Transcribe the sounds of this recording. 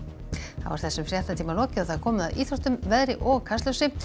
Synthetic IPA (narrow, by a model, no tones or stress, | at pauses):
θa̰vaɾ̥θɛsʏmfɾjḁt̪ant̪ʰiːmalɔːcɪaθaakʰɔːmʏðaðiːθɾɔht̪ʏmvɛðɾɪʔɔɣkʰast̪œwsɪ